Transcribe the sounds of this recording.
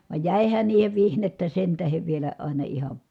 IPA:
ʋɑˑi̯j jæˑihæn niːheʋ ʋihnetːæ sen tæheʋ ʋielæ ɑˑi̯nɑ ihɑ

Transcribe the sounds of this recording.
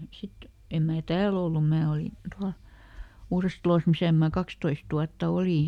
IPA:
sit em mæː tæːl olːum mæː olin̞ tuɑl uːrestɑ̆los misæˑ mæː kɑkstoist uɑtːɑ oliˑ

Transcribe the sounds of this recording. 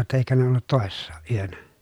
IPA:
jotːɑ eikæ ne olːut toˑesːɑːʔ ʔyønæ

